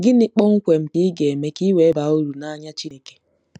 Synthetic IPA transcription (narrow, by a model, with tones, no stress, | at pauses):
ɡɪ˦nɪ˦k͡pɔ˦ŋ̩˦kʷe˨m̩˦ti˦ɡe˨me˦ki˦we˨˦ba˨˦o˦ɾu˨na˨ɲa˦t͡ʃi˦ne˨ke̥˨